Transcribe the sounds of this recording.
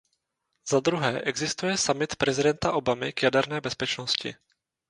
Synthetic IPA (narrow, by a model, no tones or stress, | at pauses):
zad̪ɾuɦɛːʔɛɡzɪst̪ujɛsamɪt̪pɾɛzɪdɛnt̪aʔo̞bamɪkjadɛɾnɛːbɛspɛt͡ʃnoscɪ̰